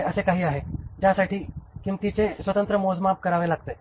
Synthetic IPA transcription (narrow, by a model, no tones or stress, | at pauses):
əsekaɦiaːɦed͡ʑjasaʈʰikɪmt̪it͡ɕesʋət̪ə̃nt̪ɾəmoːzmaːp̚kɐɾaːʋelaɡ̚t̪eː